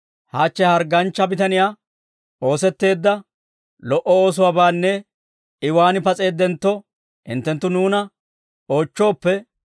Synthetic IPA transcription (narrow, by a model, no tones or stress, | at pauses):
haːt͡ʃːɛhɐɾɡɐnt͡ʃːɐbɪt̪ɐnɪjaː | o̞ːsɛt̪ːe̞ːd̪ːɐ | lɔʔɔo̞ːs̬ʊwaːbaːnːɛ | ɪwaːnɪpɐt͡sʼe̞ːd̪ːɛnt̪ːɔ | hɪ̰nt̪ːɛnt̪ːʊnuːnɐ | o̞ːt͡ʃːo̞ːpːɛ